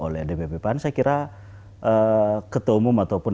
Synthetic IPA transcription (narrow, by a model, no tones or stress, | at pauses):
olɛdɛbepɛpansakiɾa | əkət̪oumumat̪oupun